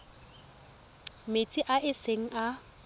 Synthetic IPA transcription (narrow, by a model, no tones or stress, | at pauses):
met͡sʼiʔaʔɪseŋ̩ʔa